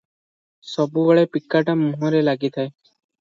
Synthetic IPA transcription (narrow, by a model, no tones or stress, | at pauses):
sɔbubɔɭepikːaʈamuɦɔɾelaɡit̪ʰae